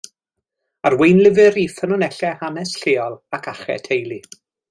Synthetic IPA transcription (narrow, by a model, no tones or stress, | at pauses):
arwejnlˠɪvɨɾifənɔnɛɬɛhanɛsɬeːɔlˠakʰaχɛ̰tʰejlˠi